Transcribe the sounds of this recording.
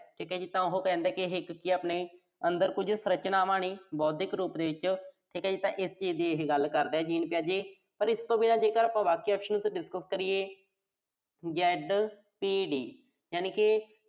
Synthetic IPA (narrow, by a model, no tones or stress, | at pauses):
ʈʰiːkɛːd͡ʒiːt̪ãːʊɦoːkɛ̃ːnd̪ɛːkɪɦɪkːiaːpneː | ənd̪əɾkʊd͡ʒʱsɾət͡ʃnaːʋãːɳ̃iːbɔːt̪̚d̪ɪkɾuːpd̪eːʋɪt͡ʃʈʰiːkɛːd͡ʒiːt̪ãːʔɪst͡ʃiːzd̪iːeɦeɡəlkəɾd̪ɛːd͡ʒiːnpjaːd͡ʒeː | pəɾɪst̪õːbiːnãːd͡ʒeːkəɾaːpãːbaːkiːɔːpʃənsɖɪskəskəɾieː | d͡ʒɛːɖ | piːɖiː | jaːniːkɪ